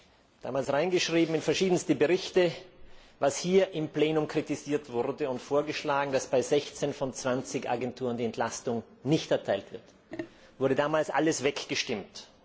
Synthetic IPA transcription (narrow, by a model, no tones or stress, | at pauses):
d̥a̰ːmaːlsʁaɪnɡəʃʁ̥iːbm̩ɪnfɛɐʃiːdən̩stəbəʁɪçtə | vashiːɐʔɪmpleːnʊmkʁ̥itiziːɐtv̥ʊɐdəʊntfoːɐɡəʃlaːɡŋ̩dasb̥aɪzɛçt͡senfɔnt͡sv̥ant͡sɪçʔa̰ɡɛntʰuːʁəndiːɛntlastʊŋ | nɪçtɛɐtʰaɪltv̥ɪɐt | v̥ʊɐdədaːmaːlsʔa̰ləsv̥ɛkɡ̥əʃtɪmt